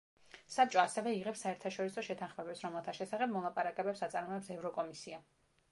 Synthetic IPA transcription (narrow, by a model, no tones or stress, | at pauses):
sat͡ʃʼɔasɛvɛiʁɛpsaɛɾt̪ʰaʃɔɾisɔʃɛt̪ʰãnχmɛbɛpsɾɔmɛlˠt̪ʰaʃɛsaχɛb̚mɔlˠapʼaɾakʼɛbɛpsat̪sʼaɾmɔɛpsɛvɾɔkʼɔmisia